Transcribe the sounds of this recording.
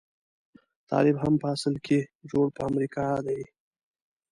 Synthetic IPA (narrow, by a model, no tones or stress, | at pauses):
t̪ɑ̰lɪbɦampəasəlkʰed͡ʒoɽpəamɾikɑd̪aj